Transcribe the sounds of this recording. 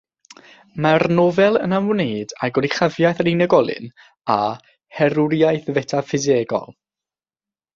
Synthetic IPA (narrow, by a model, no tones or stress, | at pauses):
marnɔvɛlˠənamneːdaɡɔɾiχavjajθaɾinəɡɔlˠɨ̰n | a | hɛɾuɾijajθvɛtʰafɪzeɡɔ̰lˠ